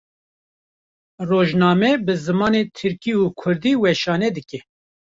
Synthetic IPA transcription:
roːʒnɑːmɛbɨzɨmɑːneːt̪ʰɨɾkiuːkʰʊɾd̪iːwɛʃɑːnɛd̪ɨkɛ

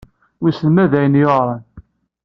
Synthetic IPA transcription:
wisəlmæðæjənjoʁɾˤən

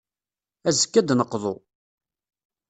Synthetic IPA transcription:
æzəkːæd̪nəqːðˤʊ

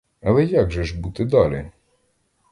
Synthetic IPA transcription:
ɐlˠɛjaɡʒɛʒbut̪ɪd̪ɑlʲɪ̰

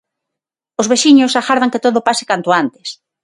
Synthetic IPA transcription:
ozβeʃiɲʊsaxaɾðaŋket̪oðopasɪ̥kant̪oant̪e̥s

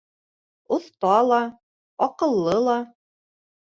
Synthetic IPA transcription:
ŏθt̪ɑlˠɑ | ɑqɤ̆lˠːɤlˠɑ

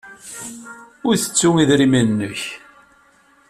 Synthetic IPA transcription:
ʊɾθə̥t͡sːuŋiðɾimænnːəç

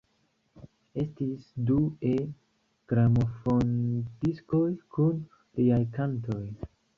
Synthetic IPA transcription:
e̞stisdue | ɡ̥ɾamo̞fondisko̞jkʰun | liajkanto̞j

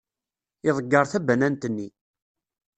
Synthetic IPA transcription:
ɪðˤəɡːɑɾˤθæbænænt̪ənːi

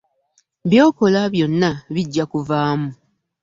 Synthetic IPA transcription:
βjo̞ːko̞laβjo̞nːaβiɟːakuvaːmu

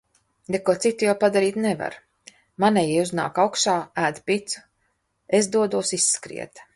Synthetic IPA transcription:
d̪ekuɔt̪sit̪ːujawpad̪aɾiːt̪neva̰ɾ | manɛjiuzna̰ːkawkʃaːæːd̪pit̪su̥ | ezd̪uɔd̪uɔsisːkɾḭɛt̪

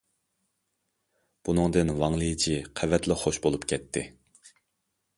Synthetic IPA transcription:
b̥unɨŋd̪ɨnvɑŋlˠɨjt͡ʃʰiqʰævɛt̪lɪχoʃbolˠupkʲʰɛt̪ʰːɪ

